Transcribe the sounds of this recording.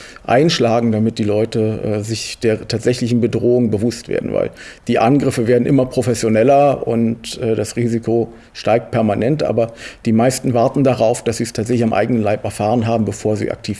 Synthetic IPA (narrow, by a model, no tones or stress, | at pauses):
ʔa̰ɪnʃlaːɡŋ̩damɪt̚d̥iːlɔʏtəʔɛːzɪçd̥eːɐtʰaːtz̥ɛçlɪçn̩bədʁoːʊŋbəvʊstv̥ḛːɐdn̩va̰ɪld̥iːʔanɡʁɪfəveːɐdn̩ʔɪmɐpʁ̥ofɛsjonɛlɐʊ̰ntʔɛːdasʁiːzikʰo | ʃtaɪk̚t̚pʰɛɐmanɛntʔa̰ːbɐd̥iːmaɪstn̩vaɐtn̩daʁaʊfd̥asz̥iːstʰaːtz̥ɛçlɪçamʔa̰ɪɡənənlaɪpɛɐfaːʁənɦaːbm̩bəfoːɐzḭːʔa̰k̚tʰiːf